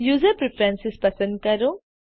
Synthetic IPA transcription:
juːzəɾpɾɪfɾɛ̃nsɪspɐsə̃nd̪̚kɐɾo

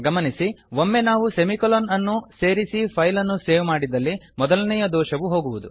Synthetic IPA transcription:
ɡɐmɐnisiʋomːe̞naːʋusemikolonɐnːuse̞ːɾisipʰɐjlɐnːuse̞ːʋmaːɽid̪ɐlːimɔd̪ɐlɐnɛjɐd̪ɔːʃɐʋuɦo̞ːɡuʋud̪u

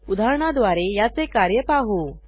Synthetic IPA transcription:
ud̪ʱaɾɳad̪ʋaɾejat͡sekaɾjəpaɦo

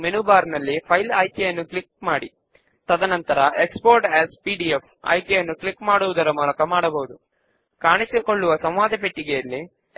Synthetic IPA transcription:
menuːbaːɾnɐlːipʰɐjlaːjkjɛjɐnːuklik̚maːɽi | t̪ɐd̪ɐnɐnt̪ɐɾɐekspoːɾʈɛːzpiːɖief | ɐ̰jkɐjɐnːuklikmaːɽuʋud̪ɐɾɐmuːlɐkɐmaːɽɐbɐɦud̪u | kaːɳisikoɭːuʋɐsɐ̃m̃ʋaːd̪ɐpeʈːiɡɛjɐlːi

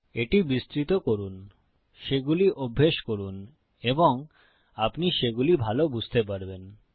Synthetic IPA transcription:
eʈibist̪ɾit̪okoɾun | ʃeɡuliʔobʱːeʃkoɾun | eboŋ | apniʃeɡulibʱalobud͡ʑʱt̪ep̬aɾben

